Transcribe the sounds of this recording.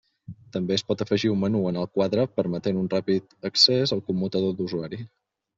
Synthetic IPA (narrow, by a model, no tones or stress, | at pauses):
t̪əmbeəspɔt̪əfəʒiummənuənəlˠkwaðɾəpəɾmət̪enunrapit̪əksezəlˠkumːut̪əðod̪uzuaɾi